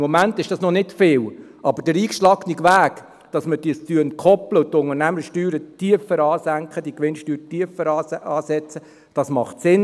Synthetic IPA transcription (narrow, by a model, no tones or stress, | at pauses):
mɔmæntɪʃd̥ɑsnɔnɪtfɪːl | ʔɑbəɾd̥əɾiːkʃlɑknikʋæːk | d̥ɑsməd̥iəst͡syənkʰɔpləʊtʊŋərnæməʃtyːɾətiəfəɾɑːsæŋkχəd̥ikʋɪnʃtyːɾətiəfəɾɑɑːsɛt͡sə | d̥ɑsmɑχtsɪn